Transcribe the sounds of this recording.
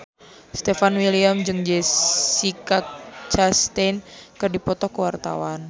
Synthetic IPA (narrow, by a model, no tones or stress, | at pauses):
st̪ɛfanwiliamd͡ʒɨŋd͡ʒesikak̚t͡ʃast̪enkɨrdipɔt̪ɔkəwart̪a̰wan